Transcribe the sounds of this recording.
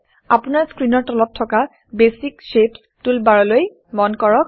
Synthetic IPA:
apunaɹskɹinɔɹtɔlɔttʰːɔka | besikʃep | tulbaɹɔloj | mɔnkɔɹɔk̚

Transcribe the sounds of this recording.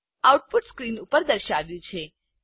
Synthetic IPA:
auʈ̚puʈskɾinupəɾd̪əɾʃaʋjũt͡ʃʰe

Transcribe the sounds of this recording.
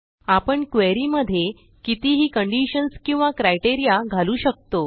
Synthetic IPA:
apəɳkʋeɾiːməd̪ʱːje | kit̪iɦiːkəɳɖiɕənskĩw̃ʋakɾajʈeɾijaɡʱaluːɕək̚t̪o

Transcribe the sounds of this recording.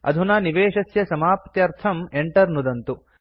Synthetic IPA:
ɐ̰d̪ʱunaːniʋeːʂɐsjɐsɐmaːpɐt̪jɐɾt̪ʰɐmeɳʈɐɾnud̪ɐnt̪u

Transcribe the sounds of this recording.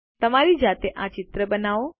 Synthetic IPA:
t̪əmaɾid͡ʒat̪eʔãt͡ʃɪt̪ɾəbənaʋo

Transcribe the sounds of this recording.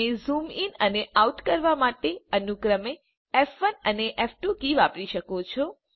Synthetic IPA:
ezuminəneʔauʈkəɾʋamaʈeənukɾəme | ɛfʋənəneʔɛfʰʈukiʋapɾiʃəkot͡ʃʰo

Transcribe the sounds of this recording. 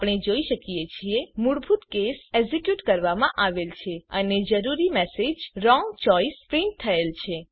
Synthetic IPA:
pɳ̃ed͡ʒoiʃəkijet͡ʃʰiemuɽbʱut̪kesezekjuʈkəɾʋamãʔaʋelt͡ʃʰeəned͡ʒəɾuɾimɛsed͡ʒɾɔŋɡt͡ʃɔispɾɪ̃ɳʈ̚t̪ʰːəelt͡ʃʰe

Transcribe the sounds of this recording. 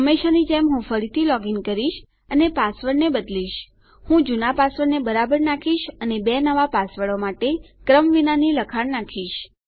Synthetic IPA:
ɦəmːeʃanid͡ʒemɦũfəɾit̪ʰilɔɡinkəɾiʃ | ənepasʋəɽnebəd̪liʃ | hũd͡ʒunapasʋəɽnebəɾabəɾnakʰiʃənebenəʋapasʋəɭomaʈekɾəmʋinaniləkʰaɽnakʰiʃ

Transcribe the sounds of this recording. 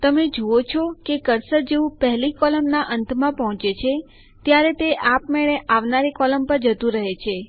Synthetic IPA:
t̪əmed͡ʒoot͡ʃʰɔkekəɾsəɾd͡ʒeũpəɦlikɔləmnaʔənt̪ʰmãpəɦɔ̃t͡ʃet͡ʃʰe | t̪jaɾet̪eʔapmeɭeʔaʋnaɾekɔləmpəɾd͡ʒət̪ũɾəɦet͡ʃʰe

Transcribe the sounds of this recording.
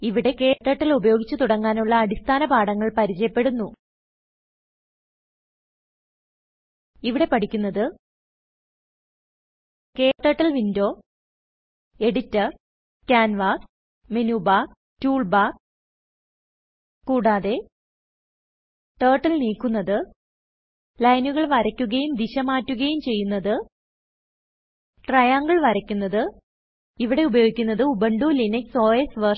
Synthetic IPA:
iʋiɽe̞ke̞ːʈːɐːʈːɐlubɐjo̞ːɡit͡ɕːut̪uɽɐŋːaːnuɭːɐːɽist̪ʰaːnɐpaːɽɐŋːɐɭpɐɾit͡ɕɐjɐpːe̞ɽunːu | iʋiɽe̞pɐʈʰikʲːunːɐðɨ | ke̞ːʈːɐːʈːɐlʋindo̞ː | e̞ɽitːɐr | kaːnʋaːs | menuːbaː | tuːɭbaː | kːuːɽaːðe̞ | ʈeːʈːɐlniːkːunːɐðɨ | lɐjnuɣɐɭʋɐɾɐkʲːuɣɐjumd̪iɕɐmaːtːuɣɐjumt͡ɕe̞jːunːɐðɨ | ʈrɐjaːŋɡɐɭʋɐɾɐkʲːunːɐðɨ | iʋiɽe̞ubɐjo̞ːɡikʲːunːɐðɨubɐɳɖuːlinekso̞ːjesʋɐ

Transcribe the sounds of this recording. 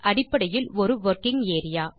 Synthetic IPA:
ʔɐɽɪpːɐɽɐjɪlɔɾɯʋɐɾkɪŋeːɾɪjaː

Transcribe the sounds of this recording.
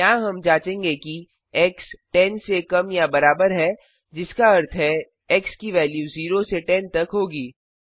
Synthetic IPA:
aːɦɐmd͡ʒãːt͡ʃẽːŋɡeki | ɛksʈɛ̃ːnsekɐmjabɐɾaːbəɾɦɛ | d͡ʒɪskaɐɾt̪ʰɦɛ | ɛkskiʋɛːljuziːɾoseʈɛ̃ːnt̪ɐkɦoːɡiː

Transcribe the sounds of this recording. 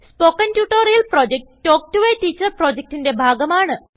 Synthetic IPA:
spoːkɐntjuːʈoːɾijɐlpɾoːd͡ʒek̚ʈːoːk̚ʈuʋeʈiːt͡ɕɐɾpɾoːd͡ʒek̚ʈinde̞bʱaːɡɐmaːɳɨ

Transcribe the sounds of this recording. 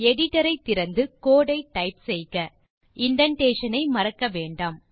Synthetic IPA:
ɛɽɪʈɐɾɐɪt̪ːɪɾɐnd̪ɯkoːɽɐɪʈːɐɪpsɛjɣɐ | ɪɳɖɐɳʈeːʂɐnɐɪmɐɾɐkːɐʋeːɳɖaːm

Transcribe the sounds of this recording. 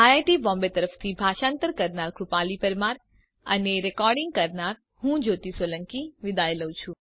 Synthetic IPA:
ajaʈibɔ̃mbet̪əɾəft̪ʰibʱaʃãnt̪əɾkəɾnaɾkɾupalipəɾmaɾ | əneɾɛkɔɾɖɪŋɡ̚kəɾnaɾ | hũd͡ʒot̪isʋələŋkiʋɪd̪ajləw̃t͡ʃʰũ

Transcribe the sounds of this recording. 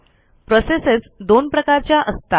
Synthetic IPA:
pɾɔsesesd̪onpɾəkaɾt͡ɕjaʔəst̪a

